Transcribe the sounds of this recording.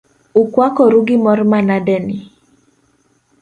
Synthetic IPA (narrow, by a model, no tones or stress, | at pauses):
ukwakɔɾuɡɪmɔrmanadɛni